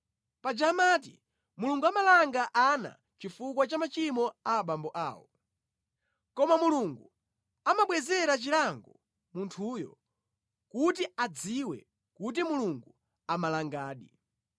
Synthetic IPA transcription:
pad͡ʒamat̬i | muluŋɡuamalaŋɡaʔana̰ | t͡ʃifuk̬wat͡ʃamat͡ʃimɔaɓambɔʔa̰ːwɔ | kɔmamuluŋɡu | amaɓwɛzɛɾat͡ʃilaŋɡɔ | muntʰuːjɔ̰ | kutiad͡ziwɛ̰ | kut̬imuluŋɡu | amalaŋɡaːɗḭ

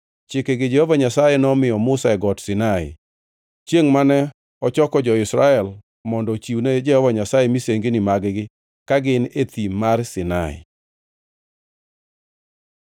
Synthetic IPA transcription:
t͡ʃɪkeɡɪd͡ʒɛhɔvaɲasajɛnɔmɪjɔmʊsaɛɡɔtsɪnaɪ̰ | t͡ʃjeŋmanɛ | ɔt͡ʃɔkɔd͡ʒɔɪsɾaɛl | mɔndɔt͡ʃiwned͡ʒɛhɔvaɲasajɛmiseŋɡenɪmaɡɪɡɪ | kaɡɪnet̪imarsɪna̰ɪ̰

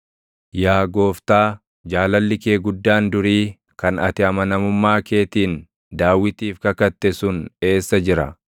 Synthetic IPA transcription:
jaːɡo̞ːft̪aː | d͡ʒaːlɐlːɪkeːɡʊd̪ːaːnd̪ʊɾiː | kɐnɐt̪ɪɐmɐnɐmʊmːaːke̞ːt̪iːn | d̪aːwːɪt̪iːfkɐkɐt̪ːɛsʊne̞ːsːɐd͡ʒɪɾɐ

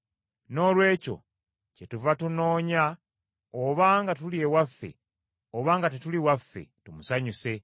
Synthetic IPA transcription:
no̞lwe̞ːco̞̰ | ce̞tuvatuno̞ːɲa | oβaːŋɡatuliewafːe̞̰ | oβaːŋɡatetuliwafːe̞̰tumusaɲuse̞

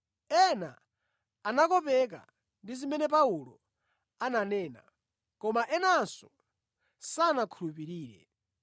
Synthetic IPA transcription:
ɛna̰ː | nakɔpɛk̬a̰ | ndizimɛnɛpaulɔ̰ | ananɛːna̰ | kɔmaʔɛnansɔ | sanakʰulupiɾiːɾɛ̰

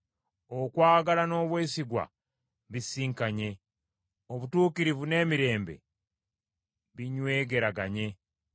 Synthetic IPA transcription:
okwaːɡalano̞ːβwe̞ːsiɡwa̰ | βisiːŋkaɲe̞ | oβutuːkiɾivune̞ːmiɾe̞ːmbe̞̰ | βiɲwe̞ːɡe̞ɾaɡaɲe̞

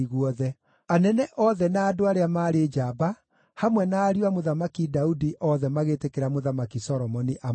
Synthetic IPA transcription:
ɣwɔðɛ | anɛnɛʔɔðɛnaːdoaɾeamaːɾed͡ʒaba | hamwɛnaːɾiwamoðamakidaudiʔɔðɛmaɣetekeɾamoðamakisɔɾɔmɔniʔa

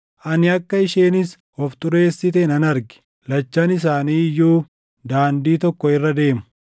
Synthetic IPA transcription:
ʔɐnɪɐkːɐɪʃeːnɪs | ɔft̪ʼʊɾe̞ːsːɪt̪ɛnɐnɐɾɡɪ̥ | lɐt͡ʃːɐnɪs̬aːniːjːuː | d̪aːnd̪iːt̪ɔkːɔɪrːɐd̪e̞ːmʊ̥

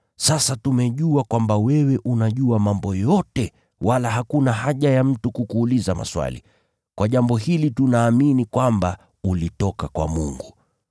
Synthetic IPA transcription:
sasatumɛʄuakwambawɛwɛʔunaʄuamambɔjɔtɛ | walaɦakunaɦaʄajam̩tukukuːlizama̰swa̰lḭ | kwaʄambɔɦilitunaːminikwamba | ulitɔkakwa̰mṵŋɡu

